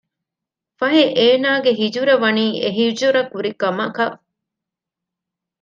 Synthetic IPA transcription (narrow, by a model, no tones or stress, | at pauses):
fɐɦeʔeːnaːɡeɦid͡ʒuɾɐʋɐniːʔeɦid͡ʒuɾɐkuɾikɐmɐkɐ